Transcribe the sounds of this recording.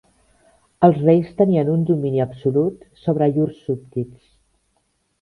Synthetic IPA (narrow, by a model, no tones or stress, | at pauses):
əlˠzrejst̪əniənund̪uminiəpsulut̪soβ̞ɾəʎursːup̚t̪its